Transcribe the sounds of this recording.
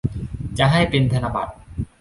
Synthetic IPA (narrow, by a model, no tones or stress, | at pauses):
d͡ʑaɦajpɾind̪ʱanaba̰d̪̚